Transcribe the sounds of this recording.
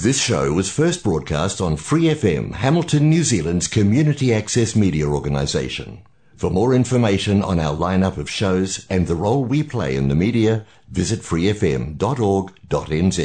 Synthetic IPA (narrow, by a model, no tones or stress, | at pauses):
ðɪsʃoʊwʌz̥fɜ˞s̚b̥ɹɔd̚kʰæ̰stn̩fɹiɛfɛ̰̃mhæml̩ˠtʰɨ̃nːjʉzilˠə̃ndz̥kʰɨmjʉnɨɾiæksɛsmiɾiɨɔɹɡɨnə̰zeɪʃɨ̰̃n | fə˞mɔɹɪ̃ɱfə˞meɪʃɨ̃nə̰̃naʊə˞lãɪ̃nʌpʌv̥ʃoʊzɨ̃nðəɹoʊlˠwipʰl̥ḛɪɨ̰̃nðɨmiɾiɨ | vɪzɨtfɹiɛfɛ̰̃mdɑɾɔɹɡd̥ɑɾɛ̃nzi